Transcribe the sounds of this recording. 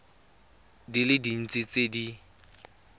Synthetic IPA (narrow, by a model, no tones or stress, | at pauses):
dilɪdin̩t͡sʼit͡sʼedi